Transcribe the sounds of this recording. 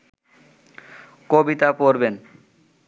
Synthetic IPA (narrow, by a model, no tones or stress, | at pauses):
kobit̪apoɾben